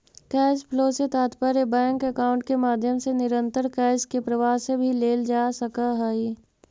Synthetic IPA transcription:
kɛːspʰloːset̪aːt̪pəɾebɛ̃ːŋkəkaːʊ̃ɳʈkemaːd̪ʱjəmsenɪɾə̃nt̪əɾkɛːskepɾəʋaːɦsebʱileːld͡ʒaːsəkaɦɛi

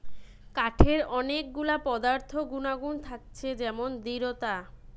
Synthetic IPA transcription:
kaʈʰeɾɔnek̚ɡulapɔd̪aɾt̪ʰoɡunaɡunt̪ʰak̚t͡ɕʰed͡ʑɛmond̪iɾot̪a

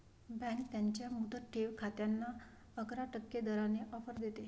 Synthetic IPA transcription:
bɛ̃ŋkt̪jaɲt͡ɕjamud̪ət̪̚ʈʰeʋkʰat̪janːa | əɡɾaʈəkːed̪əɾaneʔɔfəɾd̪et̪e

